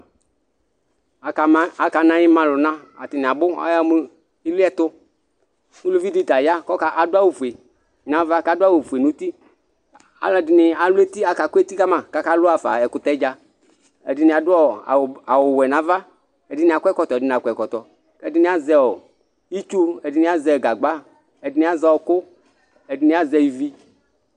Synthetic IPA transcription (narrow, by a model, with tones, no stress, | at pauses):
a˨ka˨nã˦jɪ˦mã˨lʊ˨nã˦a˨tɪ˨nɪ˨a˨bʊ˦a̰˦ja˦mʊ˦ | ɪ˦lʊ˦ɛ˦t̪ʊ˦ | nʊ˦lu˦vi˦dɪ˦da˨ja˦kɔ˦ka˨ʔa˨dʊ˦a˦wu˨fu˨e˨ | nã˨va˦ka˨dʊ˦a˦wu˨fu˨e˨nʊ˨˦ti˦ | a̰˨˦la˨dɪ˨nɪ˨a˨lʊ˦e˦ti˦a˨ka˨kʷu˦e˦t̪i˦ka˦mã˨ka˦ka˦lʊ˦a˨fa˨ɛ˨kʊ˨tɛ˦d͡ʒa˧ | ɛ̰˨dɪ˨nɪ̃˨a˨dʊ˦ɔ˦a̰˨a˨wʊ˨wɛ˨nã˨˦va˦ | ɛ˨dɪ˨˦nɪ̃˨a˨kʷɛ˦kɔ˨t̪ɔ˨ɛ˨dɪ˦ñ˨a˨kʷɛ˨kɔ˨t̪ɔ˨ | kɛ˦dɪ˦nɪ̃˦a˦zɛ˨wɔ˨ | i˦t͡ʃu˦ɛ˨dɪ˨nɪ̃˦a˦zɛ˧˨ɡa˨ɡ͡ba˦ | ɛ˨dɪ˨˦nɪ̃˦a˦za˨wɔ˨kʊ˦ | ɛ˨dɪ˨nɪ̃˦a˦zɛ˧˨ji˨vi˦